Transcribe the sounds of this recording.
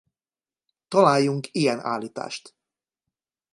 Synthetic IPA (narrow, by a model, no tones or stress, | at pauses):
t̪ɒlaːjːuŋkijɛna̰ːlːiːt̪a̰ːʃt̪